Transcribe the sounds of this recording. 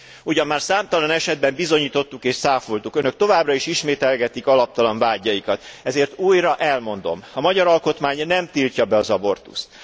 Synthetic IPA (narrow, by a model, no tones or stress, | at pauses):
uɟɒmːaːrsaːmt̪ɒlɒnɛʃɛd̪̚bɛmbizo̞ɲiːt̪o̞t̪ːukeːʃsaːfolt̪ukønøk̚t̪o̞vaːbrɒiʃiʃmeːt̪ɛlɡɛt̪ikɒlɒp̚t̪ɒlɒɱvaːɟːɒjikɒt̪ɛzeːrt̪uːjrɒʔɛlmo̞nd̪o̞̰mɒmɒɟɒɾɒlko̞t̪maːɲnɛmt̪ilcɒbɛɒzɒbo̞rt̪ṵst̪